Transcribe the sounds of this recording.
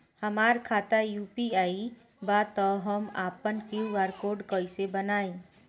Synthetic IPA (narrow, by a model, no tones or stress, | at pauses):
həmaːɾkʰaːt̪ajuːpiaːi | bat̪ɔɦəmaːpənkjuʋaːɾkoːɖkəisebənaːẽ